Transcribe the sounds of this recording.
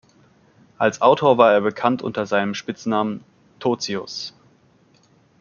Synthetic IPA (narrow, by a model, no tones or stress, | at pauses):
ʔalsʔaʊtʰoːɐvaːɐeːɐbəkʰantʔʊ̰ntɐzaɪnəmʃpɪt͡snaːmən | tʰoːt͡siʊs